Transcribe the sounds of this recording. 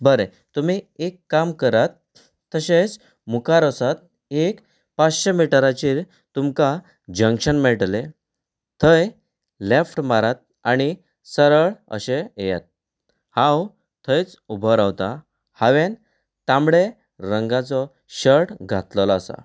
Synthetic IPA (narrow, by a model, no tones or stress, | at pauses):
bəɾe | t̪um̤iekːamkəɾat̪ː | əɕet͡s | mukaɾəsat̪̚ | ek | pat͡sɕemiʈəɾat͡ɕiːɾ | t̪umka | d͡ʑəŋkɕənmɛɭʈle | t̪ʰəj | lefʈmaɾat̪̚ | aɽ̃i | səɾəɭə̰ɕeeja̰t̪̚ | hãw | t̪ʰəjt͡s | ubʱɔɾawt̪a | haʋen | t̪ãmɽe | ɾəŋɡat͡sɔ | ɕəʈɡʱa̰t̪lɔlɔasa̰